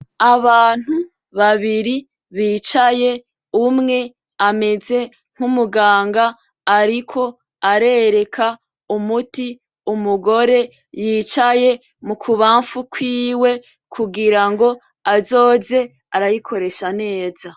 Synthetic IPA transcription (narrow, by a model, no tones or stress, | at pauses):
aβaːn̥hu | βaβiɾi | βiːt͡ʃaje̞ | umŋe̞ | ame̞ze̞ | ŋ̥umuɡaːŋɡaː | ɾikʰo̞ | aɾe̞ɾe̞kʰa | umuti | umuɡo̞ɾe̞ | jiːt͡ʃaje̞ | mukʰuβaːɱfukwiːwe̞ | kʰuɡiɾaŋɡo̞ | azo̞ːze̞ | aɾajikʰo̞ɾe̞ʃane̞ːza